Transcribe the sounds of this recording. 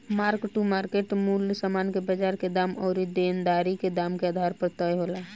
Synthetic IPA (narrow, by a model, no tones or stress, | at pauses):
maɾkʈumaɾkeʈmulsamankebəd͡ʒaɾked̪amɔʊɾid̪end̪aɾiked̪amkead̪ʱaɾpəɾt̪əjɦola